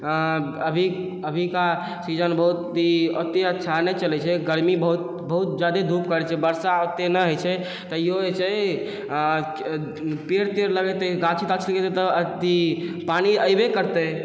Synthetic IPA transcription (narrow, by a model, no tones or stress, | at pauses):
əbʱi | əbʱika | sid͡ʒənbəɦut̪iət̪eətːʃʰanɛt͡ʃəlɛt͡ʃʰɛɡəɾmibəɦut̪ | bəɦut̪̚d͡ʒad̪ed̪ʱupkəɾɛt͡ʃʰɛbəɾsaot̪ːenəɦojt͡ʃʰɛ | t̪əjoet͡ʃʰɛ | peɾt̪eɾləɡɛt̪eɡãt͡ʃʰit̪ət͡ʃʰləɡet̪et̪əət̪ipaniəjbekəɾt̪ə